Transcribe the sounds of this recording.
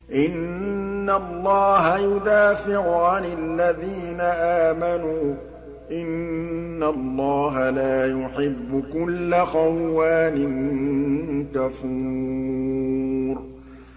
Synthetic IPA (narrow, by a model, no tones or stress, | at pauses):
ʔɪnː | alːɑːɦajʊd̪aːfɪʕʊʕanɪlːaðiːnaʔaːmanuː | ʔɪnːalːɑːɦalaːjʊħɪbːʊkʊlːaxawːaːnɪn | kafuː | ɾ